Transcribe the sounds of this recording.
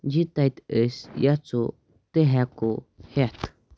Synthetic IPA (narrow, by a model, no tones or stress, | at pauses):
d͡ʑit̪ajt̪əsjat͡su | t̪əɦakuhat̪